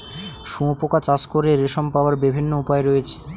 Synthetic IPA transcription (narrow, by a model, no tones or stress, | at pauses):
ʃũpokat͡ɕaskoɾeɾeʃompaoaɾbibʱinːoupaeɾoet͡ɕʰe̥